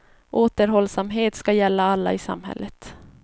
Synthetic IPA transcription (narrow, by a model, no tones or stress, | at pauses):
ʔoːt̪əɾɦɔlːsamɦeːt̪skajɛlːaalːa̰ɪsa̰mɦɛ̰lːət̪